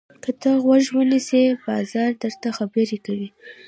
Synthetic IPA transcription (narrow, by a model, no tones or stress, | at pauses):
kət̪əɣwaʒwənisebɑzɑɾd̪əɾt̪axabəɾekawi